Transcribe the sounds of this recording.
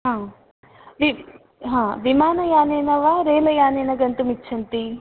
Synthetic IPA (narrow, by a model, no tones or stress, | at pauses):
ɦãː | ʋi | ɦãːʋimaːnɐjaːneːnɐʋaɾeːlɐjaːneːnɐɡɐnt̪umitːt͡ʃʰɐnt̪i